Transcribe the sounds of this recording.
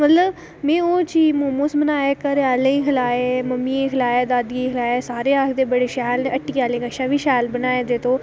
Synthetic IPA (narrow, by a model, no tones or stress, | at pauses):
mət̪ləb | mẽːoːt͡ʃiːmoːmõsbənaːeːkəɾaːlẽːĩkʰəlaːeməmːiẽkʰəlaːeːd̪aːd̪ɡikʰəlaːeːsaːɾeːaːkʰd̪eːbəɽeːʃɛːlnẽʔəʈːiːaːlẽːkəʃaːʋiːʃɛːlbənaːed̪eːt̪ʰoː